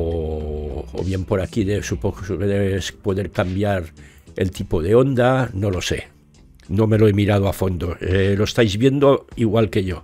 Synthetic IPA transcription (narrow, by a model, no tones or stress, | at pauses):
o | o̰βje̞mpo̞ɾakiðesupoðespo̞ðe̞ɾkambjaɾ | ḛlt̪ipoðe̞o̞nd̪ano̞lo̞se̞̰ | no̞me̞loe̞miɾað̞oafo̞nd̪o̞loest̪ajzβjend̪oiɣwalke̞ʝo̞